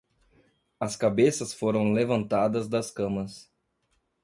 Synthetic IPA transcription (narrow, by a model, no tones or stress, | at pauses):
ɐskabesɐsfoɾɐ̃w̃levɐ̃nt̪ad̪ɐzd̪ɐskɐ̃mɐs